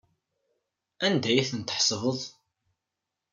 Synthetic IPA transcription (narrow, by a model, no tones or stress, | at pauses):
ænd̪æjiθənt̪əħsˤvəðˤ